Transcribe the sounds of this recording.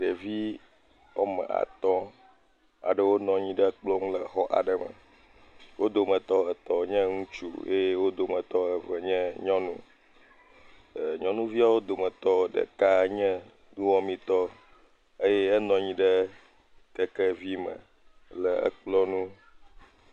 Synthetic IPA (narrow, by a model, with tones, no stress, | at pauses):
ɖə˨vi˦ | ɔ˦mə̰̃˨a̰˨t̪ɔ̃˦ | a̰˨ɖə˦wo˦nɔ̃˨ɲĩ˦ɖə˦k͡plɔ˦ŋũ˦lə˨xɔ˦ʔa̰˨ɖə˨mə̰̃˨ | wo˦d̪o˨mə̃˨t̪ɔ˦ə˨t̪ɔ˨ɲɛ̃˦ŋũ˦t͡ʃṵ˦jḛ˦je˦wo˦d̪o˨mə̃˨t̪ɔ˦ə˨və˨ɲɛ̃˦ɲɔ̃˦nṵ̃˦˨ | ɲɔ̃˦nũ˦vi˦a˨wo˦d̪o˨mə̃˨t̪ɔ˦ɖə̰˨ka˦ɲɛ̃˦ | d̪ũ˦wɔ̃˦mĩ˦t̪ɔ˦ | ə˦jɛ˦ɛ˦nɔ̃˨ɲĩ˦ɖə˦ | t̪ɛ˦kə˦vi˦mə̰̃˨ | lə˨ə̰˦˨k͡plɔ˦nũ˦